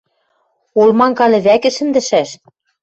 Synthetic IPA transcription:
olmɑŋkɑlʲɘ̆βækɘ̆ʃɘ̆nd̪ɘ̆ʃæʃ

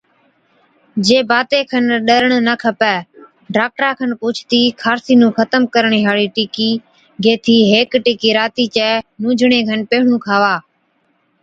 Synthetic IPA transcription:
d͡ʒeːbaːt̪eːkʰənɗəɾəɳnəkʰəpɛː | ɖaːk̚ʈɾaːkʰənkuːt͡ʃʰt̪iːkʰaːɾsiːnũːxʰət̪əmkəɾɳiːɦaːɭiːʈiːkiː | ɡeːt̪ʰiːɦeːkʈiːkiːɾaːt̪iːt͡ʃɛːnũːd͡ʒʱɳeːkʰənpeːɦɳũːkʰaːʋaː

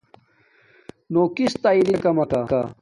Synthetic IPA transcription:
noːkist̪ailikɐmɐkaka̰

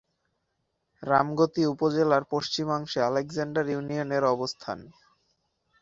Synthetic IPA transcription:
ɾamɡot̪iupod͡ʑelaɾpoʃt͡ɕimaŋʃealekd͡ʑaɳɖaɾjunioneɾɔbost̪ʰa̰n

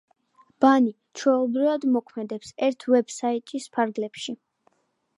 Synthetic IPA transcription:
b̥ani | t͡ʃʰwɛlˠbɾivad̪mɔkʰmɛd̪ɛpsɛɾt̪ʰvɛbsait̪ʼispʰaɾɡlɛpʃi

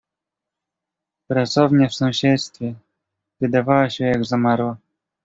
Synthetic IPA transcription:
pɾat̪sɔvɲɛfsɔ̃w̃ɕɛt̪st̪fʲjɛ | vɘd̪avawaɕɛjaɡzamaɾwa

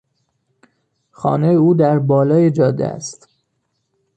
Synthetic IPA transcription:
xɒ̰ːnejeuːd̪æɾbɒːlɒːjed͡ʒɒːd̪ḛæ̰st̪

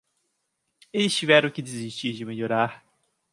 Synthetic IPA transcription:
elɪst͡ʃivɛɾɐ̃w̃kɪd͡ʒiziʃt͡ʃiɾd͡ʒɪmeʎoɾaɾ

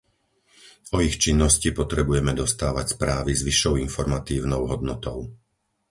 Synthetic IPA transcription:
ɔixt͡ʃinːɔscipɔt̪ɾɛbujɛmɛd̪ɔst̪aːʋa̰cspɾaːʋizʋiʃːɔʊinfɔɾmat̪iːʊnɔʊɦɔd̪nɔt̪ɔʊ

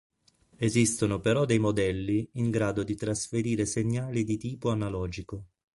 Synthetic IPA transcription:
ezist̪onopeɾɔd̪ejmod̪ɛlːiːŋɡɾaːd̪od̪it̪ɾasfeɾiːɾeseɲːaːlid̪it̪iːpoanalɔːd͡ʒiko

